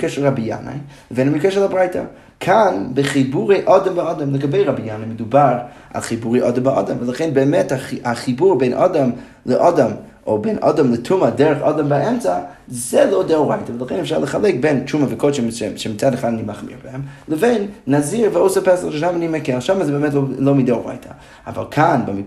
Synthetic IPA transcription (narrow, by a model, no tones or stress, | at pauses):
kɛʃəlˠʁabija̰na̰ɪlˠəveɪnamikɛʃəlˠabʁaɪtʰa̰ | kʰanbɪχibuʁeɪʔɔdɔmaɔdɔmlˠəɡabeɪʁabijanaɪmɪdubaɾ | a̰lˠχibuʁeɪʔɔdɔmbaɔ̰dɔmvəlˠaχɛnbɛːmɛtaaχibuʁbeɪnʔɔ̰dɔm | lˠəʔɔdɔm | ʔobeɪnʔɔ̰dɔmlˠətʰumadɛɾəχɔdɔmbaɛmt͡sazɛlˠoʊdɛuʁaɪtavəlˠaχɛ̰nɛfʃaʁlˠəχalˠɛk̚bɛnt͡ʃumavɪkʰoʃɛʃʃɛmit͡sadaχadnimaχmḭʁbəhɛmlˠəveɪnːaziɾvəoʊsəpɛsaχʃɛʃamanimɛkɛlʃamazɛbɛmɛtlolˠoʊmidɛuʁa̰ɪtʰa̰ | a̰va̰lˠkʰanbam